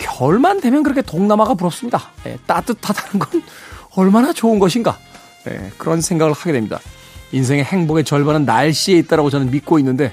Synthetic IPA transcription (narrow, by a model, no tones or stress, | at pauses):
kjʌɭmande̞mjʌnkɯɾʌkʰetoŋnamaɡap̬uɾʌps͈ɯmɲidaje̞̰t͈at͈ɯtʰadanɯnɡʌnʌɭmanat͡ɕoɯnɡʌɕʰinɡa̰ | ne̞̰kɯɾʌnsʰe̞ŋɡaɡɯɭhaɡedwemɲid̥a̰ | insʰe̞ŋe̞he̞ŋboɡe̞t͡ɕʌɭbanɯnːaɭɕ͈ie̞it̚t͈aɾaɡot͡ɕʌnɯnmit̚k͈oinːɯnde̞